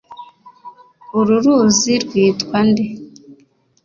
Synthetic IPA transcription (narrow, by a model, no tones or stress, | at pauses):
oɾuɾuːziɾwiːtwande